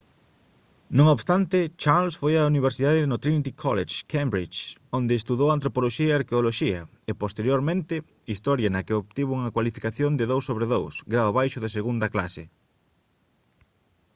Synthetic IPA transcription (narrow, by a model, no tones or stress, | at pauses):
nõŋoβst̪ant̪ɪt͡ʃaɾlsfojauniβ̞eɾsiðaðɪðnot̪ɾinit̪ikʰɔleʃkʰembɾit͡ʃõnd̪ɪːst̪uðowant̪ɾopoloʃiɐeaɾkeoloʃiɐ | epost̪eɾjoɾmẽnt̪ɪ | ist̪ɔɾjɐnɐkɪopt̪iβʊuŋɐkwalifikaθjond̪ɪðowsːoβɾeðowsɡɾaoβajʃʊðɪseɣund̪ɐklasɪ